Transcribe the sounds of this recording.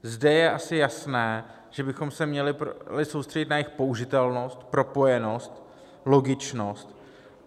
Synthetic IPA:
zdɛjɛʔasɪjasnɛː | ʒ̥ɛbɪxo̞msɛmɲɛlɪplɪso̞wst̪r̥ɛɟɪt̪najɪxpo̞ʔuʒɪt̪ɛlno̞st̪pɾo̞po̞jɛno̞st̪ | lo̞ɡɪt͡ʃno̞st̪

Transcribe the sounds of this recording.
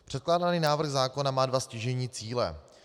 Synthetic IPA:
pr̥ɛt̪̚klaːdaniːnaːvr̩ɣzaːko̞namaːdvascɪʒɛɲiːt͡siːlɛ̰

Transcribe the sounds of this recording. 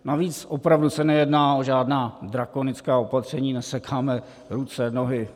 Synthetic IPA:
naviːt͡sʔopɾavdusɛnɛjɛdnaːoʒaːdnaːd̪ɾako̞nɪt͡skaːopat̪r̝̥ɛɲiːnɛsɛkʰaːmɛ | ɾut͡sɛno̞ɦɪ

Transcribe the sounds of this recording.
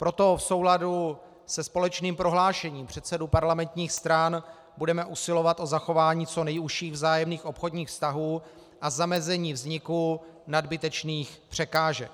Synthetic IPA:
pɾo̞t̪o̞fso̞wladu | sɛspo̞lɛt͡ʃniːmpɾo̞ɦlaːʃɛɲiːmpr̝̥ɛt̪sɛdupaɾlamɛnt̪ɲiːxst̪ɾan | budɛmɛʔusɪlo̞vat̪ʔo̞zaxo̞vaːɲiːt͡so̞nɛjuʃiːɣvzaːjɛmniːxʔo̞pxo̞dɲiːxfst̪aɦuː | ʔazamɛzɛɲiːvzɲɪkunadbɪt̪ɛt͡ʃniːxpr̝̥ɛkaːʒɛk̚

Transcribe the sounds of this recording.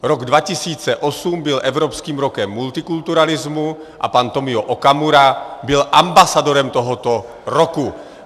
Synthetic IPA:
ɾoɡdvacɪsiːt͡sɛʔo̞sumbɪlʔɛvɾo̞pskiːmɾokɛmːult̪ɪkult̪uɾalɪzmu | ʔa̰pant̪o̞mɪoʔokamuɾabɪlʔambasado̞ɾɛmt̪o̞ɦot̪o | ɾoku

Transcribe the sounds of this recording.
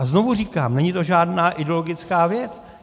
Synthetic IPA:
azno̞vuriːkaːmnɛɲɪt̪o̞ʒaːdnaːʔɪdɛoloɡɪt͡skaːvjɛt͡s

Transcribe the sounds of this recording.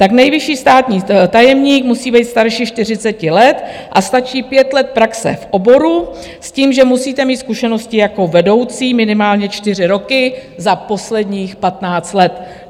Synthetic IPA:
t̪aknɛjvɪʃiːst̪aːt̪ɲiːt̪ajɛmɲiːkmusiːbɛjt̪st̪aɾʃiʃt̪ɪr̝ɪt͡sɛcɪlɛt̪ʔast̪at͡ʃiːpjɛt̪lɛt̪̚pɾaksɛ̰fʔo̞bo̞ɾu | sciːmʒɛmusiːt̪ɛmiːt̪skuʃɛno̞scɪjako̞vɛdo̞wt͡siːmɪnɪmaːlɲɛt͡ʃt̪ɪr̝ɪɾo̞kɪzapo̞slɛdɲiːxpat̪naːt͡st̪lɛt̪

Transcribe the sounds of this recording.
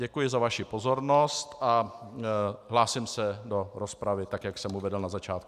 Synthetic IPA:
ɟɛkujɪzavaʃɪpo̞zo̞ɾno̞st̪a | ɦlaːsɪmsɛdo̞ɾospɾavɪt̪akjaksɛmuvɛdɛlnazat͡ʃaːt̪̚ku

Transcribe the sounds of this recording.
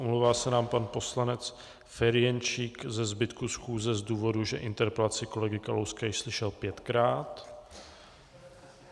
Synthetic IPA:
omlowvaːsɛnaːmpanpo̞slanɛt͡s | fɛɾɪjɛnt͡ʃiːkzɛzbɪt̪kusxuːzɛzduːvo̞duʒɛʔɪnt̪ɛɾpɛlat͡sɪko̞lɛɡɪkalowskajɪʃslɪʃɛlpjɛt̪kɾaːt̪

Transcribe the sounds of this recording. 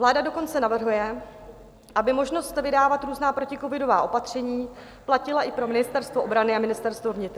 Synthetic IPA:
vlaːdado̞ko̞nt͡sɛnavr̩ɦujɛ | ʔabɪmo̞ʒno̞st̪vɪdaːvat̪ɾuːznaːpɾo̞cɪko̞vɪdo̞vaːʔo̞pat̪r̝̥ɛɲiː | placɪlaʔɪpɾo̞mɪnɪst̪ɛɾst̪voobɾanɪamɪnɪst̪ɛɾst̪vovɲɪt̪ɾ

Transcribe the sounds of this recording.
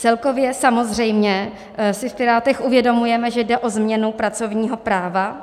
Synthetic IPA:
t͡sɛlko̞vjɛsamo̞zr̝ɛjmɲɛ | sɪfpɪɾaːt̪ɛxʔuvjɛdo̞mujɛmɛʒɛdɛʔozmɲɛnupɾat͡so̞vɲiːɦo̞pɾaːva

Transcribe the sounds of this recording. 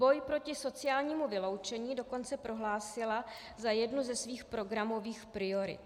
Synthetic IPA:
bo̞jpɾo̞cɪso̞t͡sɪjaːlɲiːmuvɪlo̞wt͡ʃɛɲiːdo̞ko̞nt͡sɛpɾo̞ɦlaːsɪla | zajɛdnuzɛsviːxpɾo̞ɡɾamo̞viːxpɾɪo̞ɾɪ̰t̪

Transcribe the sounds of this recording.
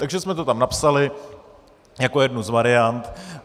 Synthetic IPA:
t̪aɡʒɛsmɛt̪ot̪amnapsalɪ | jakojɛdnuzvaɾɪant̪

